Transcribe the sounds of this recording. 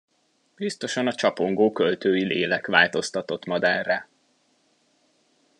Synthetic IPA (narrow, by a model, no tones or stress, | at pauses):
bist̪o̞ʃɒnɒt͡ʃɒpo̞ŋɡoːkølt̪øːjilḛːlɛkʋaːlt̪o̞st̪ɒt̪o̞t̪mɒd̪aːrːɛ